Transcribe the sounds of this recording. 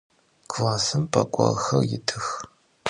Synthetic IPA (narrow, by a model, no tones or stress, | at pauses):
ɡlaːsɨmpʰʼɐkʷʼɐʁxɐjɪtʰɨx